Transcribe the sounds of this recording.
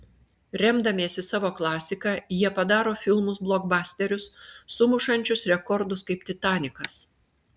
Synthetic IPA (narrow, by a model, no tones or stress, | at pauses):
ɾʲɛmd̪ɐmʲeːsʲɪsɑːʋoːklˠɑːsʲɪkɑjiɛpɐd̪ɑːɾoːfʲɪlˠmʊsblˠoːɡbɑːsʲt̪ʲɛɾʲʊsːʊmʊʃɐnʲt͡ʃʲʊsɾʲɛkɔɾd̪ʊskɐɪp̚t̪ʲɪt̪ɑːnʲɪkɐs